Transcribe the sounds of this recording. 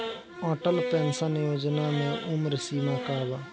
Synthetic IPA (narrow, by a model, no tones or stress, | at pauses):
ɔːʈəlpɛːnsanjoːd͡ʒnaːmẽːʔʊmɾsiːmaːkaːʋaː